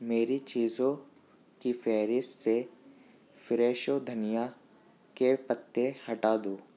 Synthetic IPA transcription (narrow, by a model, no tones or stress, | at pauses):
meːɾit͡ʃiːzõ | kifʰɛːɾɪsse | fɾeːʃod̪ʱɐnɪja | kepət̪ːehɐʈaːd̪oː